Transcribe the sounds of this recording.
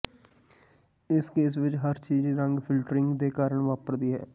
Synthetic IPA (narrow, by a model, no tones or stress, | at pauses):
ɪskeːs̬ʋɪt͡ʃɦəɾt͡ʃiːd͡ʒɾəŋɡpʰɪlʈɾɪŋɡd̪eːkaːɾəɳʋaːpəɾd̪iːɦɛ̰ː